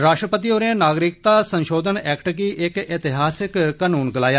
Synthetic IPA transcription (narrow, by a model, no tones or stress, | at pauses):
ɾaːʃʈɾəpət̪̬iːoːɾẽnaːɡɾɪk̚t̪aːsənʃoːd̪ʱənɛːkʈkiːʔɪkɪt̪ɪɦaːsɪkːanuːnɡəlaːjaː